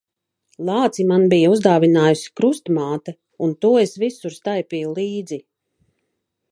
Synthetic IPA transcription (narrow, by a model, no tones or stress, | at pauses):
lˠɑːt̪simanbijauzd̪aːvinaːjusi̥kɾust̪maːt̪ɛ | unt̪uɔesvisuɾst̪ajpʲiːjulˠiːd̪zi